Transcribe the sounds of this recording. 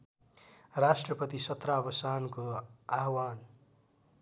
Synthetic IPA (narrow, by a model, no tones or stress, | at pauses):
rasʈrʌpʌt̪isʌt̪rabʌsankoaɦwan